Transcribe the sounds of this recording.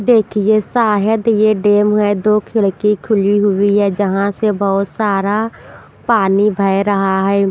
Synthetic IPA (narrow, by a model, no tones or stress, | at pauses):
d̪eːkʰiesaːɦəd̪jeɖeːmɦɛd̪oːkʰɪɭkikʰʊliɦʊiɦɛːd͡ʒəɦãsebɐɦʊt̪saːɾa | paːnibʱaeɾɐɦaɦɛː